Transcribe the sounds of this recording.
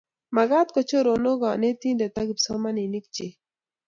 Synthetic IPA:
ma˨ɡa˦t̪kɔ˨t͡ʃo˦ɾo˨no˦ɡa˨ne˦t̪i˦nd̪e˨t̪a˦ɡi˨psɔ˦ma˦ni˨ni˦k̚t͡ʃe˨

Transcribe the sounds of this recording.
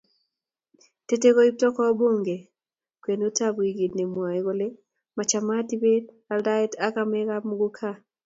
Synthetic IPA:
te˦te˦ko˦i˦p̚tɔ˦kɔ˦bo˦ŋɡe˨ | kwe˨no˦ta˦bi˨ɡi˨dne˨mwa˨i˨ɣo˦le˦ | ma˨t͡ʃama˦ti˦be˦d | a˨lda˦i˦taka˦mɛ˦kamu˦ɡu˦kʰa˦

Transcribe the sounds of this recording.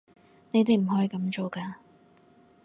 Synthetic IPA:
ne˨˧jt̪e˨jm̩˨˩hɔː˨˥i˨˧kɐ˨˧˥mt͡ʃo˨wkaː˧

